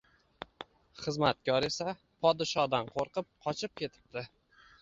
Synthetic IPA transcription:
χɨzmat̪̚kʲʰɒɾe̞sa | pʰɒd̪ɪʃɒd̪anqʰoɾqɨp̚qʰɒt͡ʃʰɪp̚kʲʰe̞t̪ʰɪ̥p̚d̪ɪ

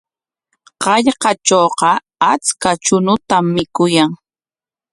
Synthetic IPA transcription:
qɑʎqɑt͡ʃoːqɑ | at͡skat͡ʃʊnʊt̪amːɪkʊjaŋ

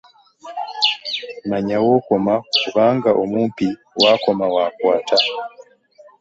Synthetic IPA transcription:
maɲawokomakuβaŋɡaʔomumpi | wʔakomawakwaːta

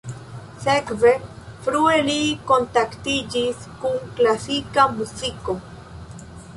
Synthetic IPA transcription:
sekve | fɾuelikont̪akt̪id͡ʒiskuŋklasikamusiko

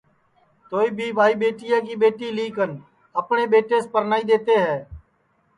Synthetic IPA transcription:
t̪oːiːbʱiːbʱaːiːɓeːʈɪjaːkiːɓeːʈiːliːkən | əpɳeːɓeːʈeːspəɾnaːiːd̪eːt̪eːɦɛː

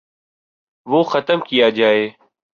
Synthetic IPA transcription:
ʋoːxət̪əmkɪjaːd͡ʒaːeː

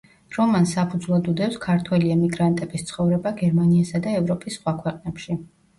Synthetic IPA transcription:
ɾɔmansapʰud̪zvlˠad̪ud̪ɛfskʰaɾt̪ʰwɛliɛmiɡɾant̪ʼɛbist̪sʰχɔvɾɛbaɡɛɾmaniasad̪aɛvɾɔpʼisːχwakʰwɛqʼnɛpʃi

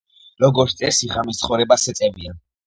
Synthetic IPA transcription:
ɾɔɡɔɾt̪ʰt̪ʼɛsiʁamist̪sʰχɔvɾɛbasɛt̪sʼɛvia

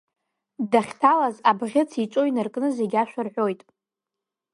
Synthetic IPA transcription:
daχʲtʰalazabʁʲɪt͡sʰiʈ͡ʂʷʼojnɨrkʼnɨzeɡʲaʃᶣʷarħʷᶣojtʼ

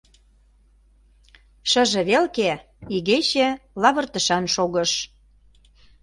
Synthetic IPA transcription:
ʃə̆ʒĕβelke | iɣeɕelɑβɤ̆rt̪ə̆ʃɑnʃoɣɤ̆ʃ

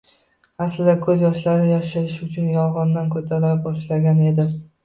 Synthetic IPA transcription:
aslɪd̪akʰɵzjɒʃlaɾɪjaʃajɪʃʊt͡ʃʰʊnjɒlˠʁɒnd̪ankʰɵt̪ʰaɾabɒʃlaɡʲane̞d̪ɪ

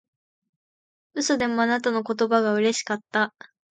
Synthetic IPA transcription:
ɯ̟sod̪e̞mo̞anat̪ano̞ko̞t̪o̞baɡaɯ̟ɾe̞ɕi̥kat̪ːa

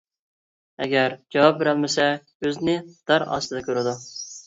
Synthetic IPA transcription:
ɛ̰ɡʲæɾd͡ʒɑwɑp̚beɾælmɪsɛ | øznɪd̪̥ɑɾɑ̰st̪ɨd̪ɑkʰʲøɾɪd̪u

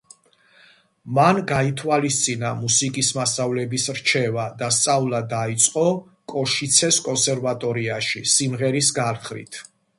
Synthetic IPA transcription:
manɡait̪ʰwalist̪sʼinamusikʼismasavlɛbisɾt͡ʃʰɛvad̪ast̪sʼavlˠad̪ait̪sʼqʼɔ | kʼɔʃit̪sʰɛskʼɔnsɛɾvat̪ʼɔɾiaʃisimʁɛɾis̬ɡalχɾḭt̪ʰ

